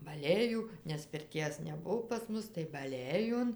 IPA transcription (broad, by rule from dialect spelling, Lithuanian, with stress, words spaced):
bɐˈlʲeːjuː nʲɛs pʲɪrʲˈtʲiɛs nʲɛˈbʊʋoː pɐs ˈmʊs tɐɪ bɐˈlʲeːjoːn